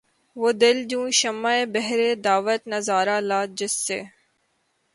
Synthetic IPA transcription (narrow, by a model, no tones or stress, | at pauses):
ʋoːd̪ɪld͡ʒũːʃɐmːaːebɛɦɾeːd̪aːʋəɾnɐzaːɾaːlaːd͡ʒɪsːḛː